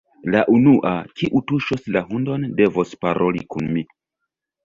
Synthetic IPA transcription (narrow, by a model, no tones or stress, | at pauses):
laʔunuʔakiʔutuʃoslaɦundo̞nde̞vospaɾʔo̞lḭkunmi